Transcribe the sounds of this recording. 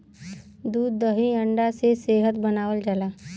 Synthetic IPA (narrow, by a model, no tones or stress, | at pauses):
d̪uːd̪ːəɦĩə̃ɳɖaseseːɦət̪bənaːwəld͡ʒalaː